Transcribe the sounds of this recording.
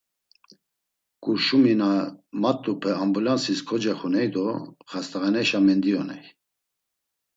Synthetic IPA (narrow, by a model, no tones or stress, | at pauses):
kʼuɾʃuminamat̪ʼːupʰɛambulansiskʰɔd͡ʒɛχunɛjd̪ɔχast̪aʁɛnɛʃamɛnd̪iɔnɛ̰j